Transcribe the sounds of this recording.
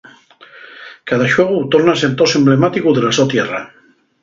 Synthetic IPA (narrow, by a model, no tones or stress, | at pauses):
kaðaʃɔɣut̪oɾnasent̪osemblemat̪ikuðelasot̪jɛra